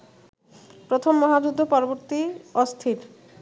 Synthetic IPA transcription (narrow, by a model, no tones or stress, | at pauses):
pɾot̪ʰomːɔɦad͡ʑud̪ʱːopɔɾoboɾt̪iost̪ʰiɾ